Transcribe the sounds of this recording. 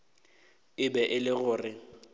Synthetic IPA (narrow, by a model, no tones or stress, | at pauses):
ɪbɛʔɪlɪɣʊːrɪ